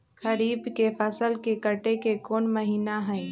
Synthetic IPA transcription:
xəɾiːbkefʰəsəlkekəʈekekoːnməɦiːnaɦɛe

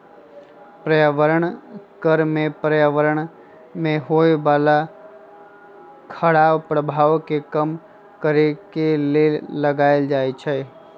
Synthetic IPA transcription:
pɾəjaʋəɾəɳkəɾmẽpɾəjaʋəɾəɳ | mẽɦojbala | kʰəɽaʋpɾəbʱaʋkekəm | kəɾikeleləɡaeld͡ʒajt͡ʃʰe

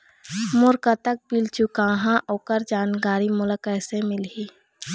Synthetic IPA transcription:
mʊɾkət̪ək̚bilt͡ʃukãɦãʔoːkəɾd͡ʒaːnkaːɾimʊləkəːsẽmɪlɦi

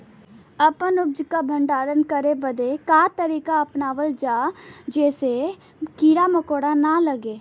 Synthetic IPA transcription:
əpənʊbd͡ʒkabʱə̃ɳɖaːɾənkəɾebəd̪ekaːt̪əɾiːkaɐpnaːʋəld͡ʒaːd͡ʒɛːse | kiːɾaməkoːɽanaləɡeː

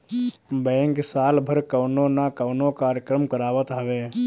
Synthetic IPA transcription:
bɛ̃ːŋksaːlbʱəɾkəwnonakəʊnokaːɾjəkɾəmkəɾaːʋət̪ɦəʋe

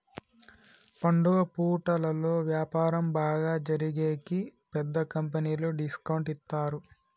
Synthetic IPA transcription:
pɐɳɖuʋɐpuːʈɐlɐlo̞ːʋjaːpaːɾɐmbaːɡaːd͡ʒɐɾiɡeːkipɛd̪ːɐkɐmpɐniːloːɖiskɐwɳʈist̪ːaːɾu

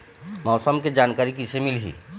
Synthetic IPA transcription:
mɔːsəmked͡ʒaːnkaːɾik̬ɪsemɪlɦḭː

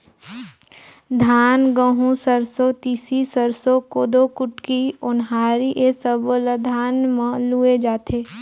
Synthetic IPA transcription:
d̪ʱaːnɡəɦũsəɾsot̪iːsisəɾsokoːd̪okʊʈkiʊnɦaːɾiʔesəbləd̪ʱaːnmãlued͡ʒaːt̪ʰeː

